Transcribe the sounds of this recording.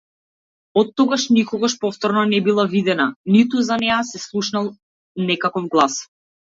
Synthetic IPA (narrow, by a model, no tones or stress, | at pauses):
ɔt̪ːɔɡaʃnikɔɡaʃpɔft̪ɔɾnɔnɛbilˠavid̪ɛnanit̪uzanɛasɛslˠuʃnalˠ | nɛkakɔfɡlˠas